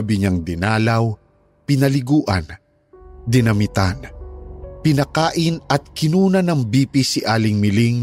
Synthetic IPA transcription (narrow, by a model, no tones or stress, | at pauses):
bɪɲaŋd̪ɪnaːlaw | pɪnɐlɪɡuːʔɐ̰n | d̪ɪnɐmɪt̪an | pɪnɐkaːʔɪnɐt̪̚kɪnuːnɐnɐŋbiːpisiʔaːlɪŋmɪliŋ